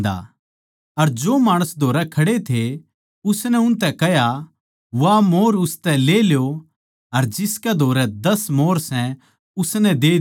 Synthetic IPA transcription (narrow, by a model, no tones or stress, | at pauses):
d̪a̰ | ɐɾd͡ʒoːmaːɽ̃ʊsd̪ʱoːɾɛkʰɐɽet̪ʰe | ʊsnɛʊnt̪ɛkɛɦja | ʋamoːɾʊst̪ɛleːljo | ɐɾd͡ʒɪskɛd̪ʱoːɾɛd̪ɐsmoːɾsɛ̃ | ʊsnɛ̃d̪eː